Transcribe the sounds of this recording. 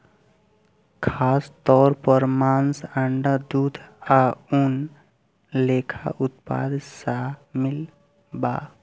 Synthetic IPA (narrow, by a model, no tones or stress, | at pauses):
kʰaːst̪ɔːɾpəɾmaːnsəɳɖəd̪ud̪ʱaun | lekʰa̰ʔut̪̚pa̰d̪samil | ba